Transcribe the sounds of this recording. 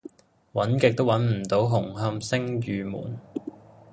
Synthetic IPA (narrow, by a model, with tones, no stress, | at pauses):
wɐ˨˥nkɪ˨k̚t̪o˥wɐ˨˥nm̩˨˩t̪o˨˥wɦʊ˨˩ŋɦɐ˥msɪ˥ŋjyː˨˧mṵː˨˩n